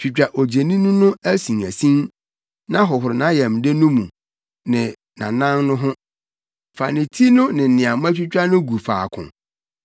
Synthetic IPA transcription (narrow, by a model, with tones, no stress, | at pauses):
t͡ɕᶣi˨t͡ɕᶣa˨ʔo˨d͡ʑe˨nĩ˦nʊ̃˦nʊ̃˦æ˦sĩ˨ŋæ˨sĩ˦n | nã˦ɦɔ˨ɦʊ˨ɾɪ˨nã˨˦jɛ˨m̩˨de˦nʊ̃˦mũ˨ | nɪ̃˨ | nã̰˨nã˦nnʊ̃˦ɦʊ̃˦ | fa˨nɪ̃˨tʰi˦nʊ̃˦nɪ̃˨n̩˨nɪ̃˨a˨mã˦t͡ɕᶣi˦t͡ɕᶣa˦nʊ̃˦ɡu˨fa̰ː˨kʰʊ̰̃˨